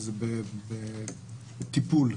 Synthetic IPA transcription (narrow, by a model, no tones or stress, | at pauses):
zbebe | bet̪ipul